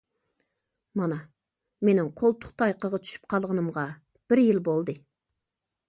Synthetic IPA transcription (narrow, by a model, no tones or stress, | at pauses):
mɑnɑ | menɪŋqʰolˠt̪ʰʊ̥qt̪ʰɑjqəʁɑt̪ʰy̥ʃy̥p̚qʰɑlˠʁɑnɨmʁɑ | b̥ɪɾjɪlbolˠd̪ɨ